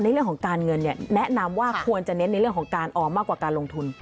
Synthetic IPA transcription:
na˧ɾɯ˥˩əŋkʰɔ˩˦kaː˧nŋɤ˧nːi˥˩nɛ˦˥ʔna˧mwaː˥˩kʰu˧ənt͡ɕa˨˩ne˦˥nːa˧jɾɯ˥˩əŋkʰɔ˩˦ŋkaː˧nʔɔː˨˩maː˥˩kwaː˨˩kaː˧nlo˧ŋt̪ʰu˧n

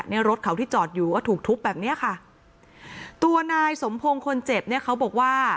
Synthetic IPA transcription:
ni˥˩ɐɾo˦˥t̪̚kʰa˩˦wt̪ʰiː˥˩t͡ɕɔː˨˩t̪̚juː˨˩kɔː˥˩t̪ʰuː˨˩k̚t̪ʰu˦˥p̚bɛː˨˩p̚ni˦˥ɐkʰa˥˩ | t̪u˧ɐnaː˧jso˩˦mpʰo˧ŋkʰo˧nt͡ɕe˨˩p̚ni˥˩ɐkʰa˦˥wbɔː˨˩k̚waː˥˩

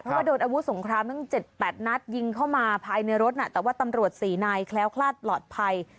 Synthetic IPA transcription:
pʰɾɔ˦waː˥˩doː˧nʔaː˧wu˦˥so˩˦ŋkʰɾaː˧mtɯ˥˩˨ŋt͡ɕe˨˩t̪̚pɛː˨˩t̪̚na˦˥t̪̚ji˧ŋkʰa˥˩wmaː˧pʰaː˧jna˧jɾo˦˥t̪̚na˦˧˩t̪ɛː˨˩waː˥˩t̪a˧mɾu˨˩ət̪̚siː˨˩naː˧jkʰlɛː˦˥wkʰlaː˥˩t̪̚plɔː˨˩t̪̚pʰa˧j

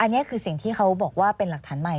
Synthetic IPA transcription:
ʔa˧nː˦˥ɐkʰɯː˧si˨˩ŋt̪ʰiː˥˩kʰa˦˥wbɔː˨˩k̚waː˥˩pe˧nla˨˩k̚t̪ʰaː˩˦nma˨˩j

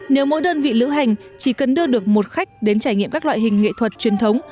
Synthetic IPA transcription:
ne˨˦wmo̰˧˥jɗəː˧nvḭ˧˨lɨ̰˧˥wɦa˨˩jŋ̟t͡ɕi˧˩kə˨˩nɗɨ˧əɗɨ˨˩ək̚mo˨˩t̚xa˦˥jk̚ɗe˨˦nt͡ɕaː˧˩jŋḭ˧˨əmkaː˦˥k̚lw̰aː˧˨jɦï˨˩ŋ̟ːḛ˧˨t̪ʰwə˨˩t̚t͡ɕwi˨˦ənt̪ʰə˨˦wŋ͡m

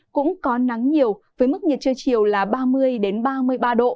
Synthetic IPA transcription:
kʊ̰˧˥ŋ͡mkɔ˨˦na˨˦ŋɲi˨˩əwvəː˨˦jmɨ˦˥k̚ɲə˨˩t̚t͡ɕəː˧jt͡ɕi˨˩əwlaː˨˩ɓaː˧mɨ˧əjɗe˨˦nɓaː˧mɨ˧əjɓaː˧ɗo̰˧˨

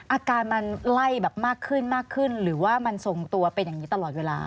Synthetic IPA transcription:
ʔaː˧kaː˧nma˧nla˥˩jbɛː˨˩p̚maː˥˩kʰːɯ˥˩nmaː˥˩kʰːɯ˥˩nɾɯː˩˦waː˥˩ma˧nso˨˩ŋt̪u˧ɐpe˧njaː˨˩ŋniː˦˥t̪a˧lɔː˨˩t̪̚weː˧la̰ː˧

